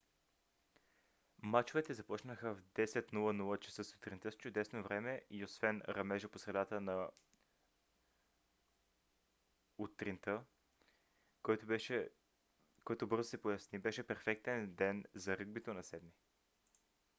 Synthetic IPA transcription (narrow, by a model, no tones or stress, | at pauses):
mat͡ʃovɛt̪ɛzɐpɔt͡ʃnəxəvd̪ɛsɛt̪nulˠənulˠət͡ʃɐ̥səsʊ̥t̪ɾint̪əst͡ʃʊd̪ɛsnovɾɛmɛʔiosvɛnɾɐmɛʒəposɾɛd̪at̪ənɐ | ut̪ɾint̪ə | kɔjt̪obɤɾzosɛpojɐsnibɛʃɛpɛɾfɛk̚t̪ɛnd̪ɛnzɐɾɤɡ̚bit̪onɐsɛd̪mi